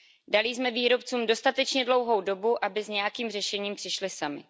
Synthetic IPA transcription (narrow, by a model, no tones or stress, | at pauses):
dalɪzmɛviːɾo̞p̚t͡suːmdo̞st̪at̪ɛt͡ʃɲɛdlo̞wɦo̞wdo̞buʔabɪzɲɛjakiːmrɛʃɛɲiːmpr̝̥ɪʃlɪsamɪ̰